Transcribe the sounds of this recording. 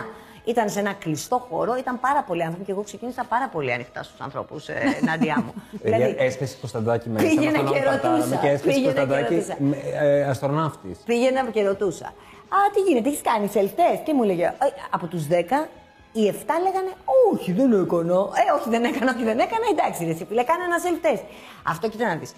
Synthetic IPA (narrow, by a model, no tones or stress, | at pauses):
it̪ɐnse̞nɐklist̪o̞xo̞ɾo̞it̪ɐmpɐɾɐpo̞liɐnθɾo̞piceɣo̞kse̞cinisɐpɐɾɐpo̞liɐ̰nixt̪ɐ̰st̪u̥sɐ̰nθɾo̞̰pusnɐd̪iɐmulɐiespesi̥kost̪ɐd̪ɐcimepiʝenɐneɾot̪usmeespeiʝenɐd̪ɐɾoiusɐɐst̪ɾonɐft̪ḭspiʝenepceɾot̪usɐ̰ | ɐt̪iʝinet̪eiçi̥skɐniselft̪e̞scemuleʝeɐpo̞t̪uzðe̞kɐ | ie̞ft̪ɐle̞ɣɐne̞oçiðenekonoeoçiðe̞nekɐnɐoçiðe̞ne̞kɐnɐed̪ɐksiɾesipulekɐneenɐselft̪e̞s | ɐ̰ft̪ocit̪ɐnɐðis